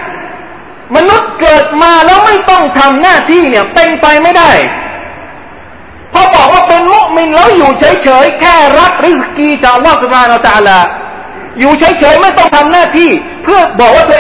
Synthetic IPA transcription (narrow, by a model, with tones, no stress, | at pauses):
ma˧nu˦˥t̪̚kɤː˨˩t̪̚maː˧lɛː˦˥wma˥˩jt̪ɔ˥˩ŋt̪ʰa˧mnaː˥˩t̪ʰiː˥˩ni˥˩ɐp̪e˧ŋpa˧jma˥˩jda˥˩j | pʰɔ˧bɔː˨˩k̚waː˥˩pe˧nmu˦˥ʔmi˧nlɛː˦˥wjuː˨˩t͡ɕʰaː˦˥jt͡ɕʰɤː˩˦jkʰɛː˥˩ɾa˦˥k̚ɾi˦˥skiː˧t͡ɕaː˨˩k̚ʔa˧lːɔː˥˩su˨˩p̚ʰaː˧n˧a˧a˧t̪aː˧laː˧ | juː˨˩t͡ɕʰa˦˥jt͡ɕʰɤː˩˦jma˥˩jt̪ɔ˥˩ŋt̪ʰa˧mnaː˥˩t̪ʰiː˥˩ | pʰɯ˥˩ɐbɔː˨˩k̚waː˥˩t̪u˧